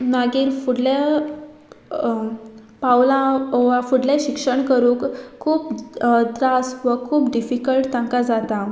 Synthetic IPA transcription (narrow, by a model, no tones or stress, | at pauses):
naɡiːɾfuɽla | pawlãʋafuɽleɕikʂəɳkəɾũːkkʰːuːpd̪ɾasʋəkʰuːpɖifikəlʈt̪ãŋkad͡zat̪a